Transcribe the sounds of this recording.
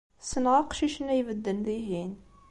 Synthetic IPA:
sənʁɑqʃiʃnːæjvəd̪ːənðiɦin

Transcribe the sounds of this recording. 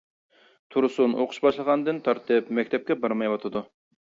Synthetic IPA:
t̪ʰuɾʊsunʔoqʰʊ̥ʃbɑʃlˠəʁɑnd̪ɨnt̪ʰɑɾt̪ʰɨpmɛkʲt̪ʰɛp̚kʲɛbɑɾmɑjwɑt̪ʰɨd̪u

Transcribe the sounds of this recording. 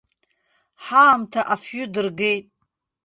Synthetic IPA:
ħaːmtʰaʔafjʊdɨrɡe̞jtʼ

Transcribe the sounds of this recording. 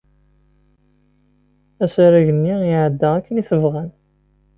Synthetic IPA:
æsæɾæʝənːiɪʕəd̪ːæækːəniθəvʁæn

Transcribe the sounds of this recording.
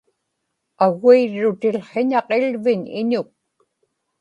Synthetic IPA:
aɣuiɻːʊt̪ɪlχeɲɑqelvɪɲɪ̰ɲʊk̚

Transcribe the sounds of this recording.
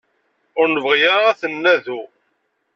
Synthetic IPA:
ʊɾnəvʁjaæθənːæðu

